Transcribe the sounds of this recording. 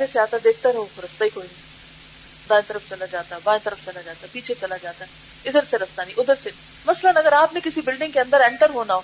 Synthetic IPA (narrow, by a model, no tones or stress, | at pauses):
d͡ʒeseaːt̪aɛd̪eːk̚ʰt̪aoɾɐst̪aikoːini | d̪aːẽt̪əɾəfʰt͡ʃɐlad͡ʒaːt̪aɦɛbãːet̪əɾəfʰt͡ʃɐlad͡ʒaːt̪aɦɛpiːt͡ʃʰet͡ʃɐlad͡ʒaːt̪aɦɛ | ɪd̪əɾseɾɐst̪anĩʔʊd̪əɾse | mɐslənɐɡəɾaːpnekɪsibɪlɖɪ̃ŋɡkeɐ̃nd̪əɾɛ̃ːɳʈəɾɦoːnaoː